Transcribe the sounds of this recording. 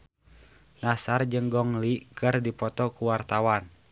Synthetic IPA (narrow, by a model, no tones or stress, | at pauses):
nasard͡ʒəŋɡɔŋlikɨrdipɔt̪ɔkuwart̪awan